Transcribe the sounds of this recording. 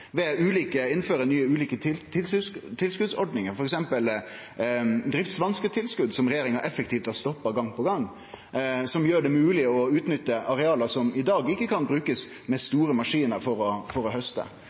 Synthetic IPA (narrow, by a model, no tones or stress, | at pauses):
ʋɛʉːliːkəɪnːføːɾənyːəʉːliːkət̪ʰɪlt̪ʰɪlskʉd̪sɔɾɖnɪŋəɾfɔɾɛksɛmpəl | d̪ɾɪft̪sʋɑnskət̪ʰɪlskʉd̪sɔmɾɛjeːɾɪŋəɾʔɛfːəkt̪ʰiːft̪ɑst̪ɔpːɑɡɑŋpɔɡɑŋː | sɔmjøːɖɛmʉːlɪɔʉːt̪nʏt̪ːəʔɑɾɛɑːləsɔmɪd̪ɑːɡɪkːəkʰɑnbɾʉːkəs | mɛst̪uːɾəmɑʂiːnəɾfɔɾɔfɔɾɔɦœst̪ə̰